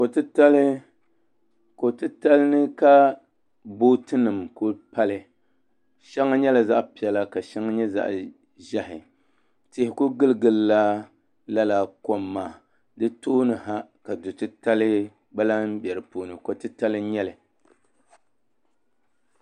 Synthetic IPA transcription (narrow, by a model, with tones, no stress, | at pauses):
ko˨tɨ˦ta˦lɨ˦ | ko˨tɨ˦ta˦lɨ˦nɨ˦ka˦ | boː˦tɨ˦nɨ˨mko˦pa˦lɨ˦ | ʃɛ˦ŋa˦ɲɛ˦la˨za˦ʔpi˨ɛ˨la˦ka˨ʃɛ˦ŋa˦ɲɛ˦za̰˦ʔ | ʒɛ˦hɪ˨ | tɪ˨hɪ˨ko˦ɡɨ˦lɨ˦˨ɡɨ˨lla˦ | la˦la˨ko˨mːaː˨ | dɨ˦toː˦nɨ˨ɦa˦ka˨dʊ˨tɨ˦ta˦lɨ˦ | ɡ͡ba˦la˦m˦bjɛ˨ɾɨ˨poː˨nɨ˨ko˨tɨ˦ta˦lɨ˦ɲɛ˦lɨ˨